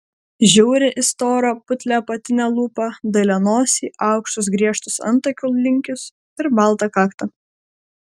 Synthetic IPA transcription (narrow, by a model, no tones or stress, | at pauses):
ʒʲɛʊɾʲɪʔɪst̪oːɾɐpʊt̪ʲlʲɛpɐt̪ʲɪnʲɛlˠuːpɐd̪ɐɪlʲɛnoːsʲiːʔɑˑʊkʃt̪ʊs̬ɡɾʲiɛʃt̪ʊsɐ̰nˑt̪ɐkʲʊlˠlʲɪŋʲkʲʊs | ɪɾbɑˑlˠt̪ɐkɑːkt̪ɐ